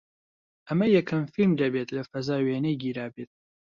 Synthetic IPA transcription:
ʔɐmɐjɛkʰɐmfilmd̪ɐbet̪lɐfɐzaːweːnɐjɡiːɾaːbet̪̚

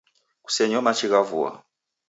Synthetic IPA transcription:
ku̥sɛɲɔmat͡ʃiɣavṵa̰

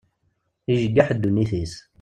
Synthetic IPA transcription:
iʒəɡːaħd̪ːunːiθis

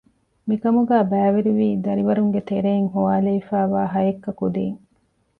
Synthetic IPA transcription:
mikɐmuɡæːbæːʋiɾiʋiːd̪ɐɾiʋɐɾuŋɡet̪eɾeːŋɦuʋaːleifæːʋaːɦɐjekːɐkud̪ḛːŋ

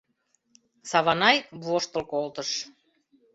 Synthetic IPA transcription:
sɑβɑnɑjβoʃt̪əlkolt̪əʃ

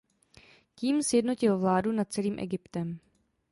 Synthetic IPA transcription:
ciːmsjɛdno̞cɪlvlaːdunat̪̚t͡sɛliːmʔɛ̰ɡɪpt̪ɛm

